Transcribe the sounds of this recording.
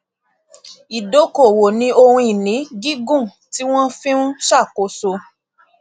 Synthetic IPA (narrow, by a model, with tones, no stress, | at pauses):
i˨do˨˦ko˨wo˨nĩ˧˦o˧hũ˧i˨nĩ˨˦ɡi˦ɡũ˦˨ | ti˦w̃ɔ̃˦fĩ˦nũ˦ʃa˦˨ko˨˦so˧